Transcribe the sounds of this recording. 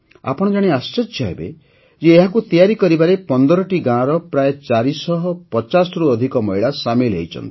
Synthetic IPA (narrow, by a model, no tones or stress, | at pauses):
a̰pɔɽ̃ɔd͡ʒaɽ̃east͡ʃet͡ʃʰɦḛbḛ | d͡ʒeːɦakut̪ijaɾikɔɾibaɾepɔnd̪ɔɾɔʈiɡãɾɔpɾajɔt͡ʃaɾisɔɦɔpɔt͡ʃasɔɾuɔd̪ʱikɔmɔjɭasamelɦḛjt͡ʃʰɔ̰nt̪ii̥